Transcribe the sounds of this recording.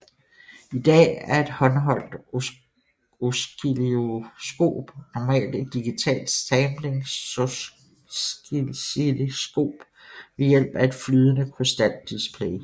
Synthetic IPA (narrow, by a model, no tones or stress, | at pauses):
id̥ɛ̰ːæɐe̝d̥hɒ̽nɦɒ̽l̰d̥ | osleosɡ̥o̝̰ːb̥nɒmɛ̰ːld̥e̝d̥̚ːiɡ̥it͡sʰɛ̰ːld̥sʰemleŋ | ilesɡ̥o̝̰ːb̥ | ʋe̝jel̰b̥æe̝d̥flyːð̞ˠənəkʰosd̥æl̰d̥ispʰle